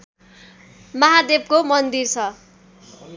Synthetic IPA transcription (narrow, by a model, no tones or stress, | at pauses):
mʌɦad̪eb̚komʌnd̪irt͡sʰʌ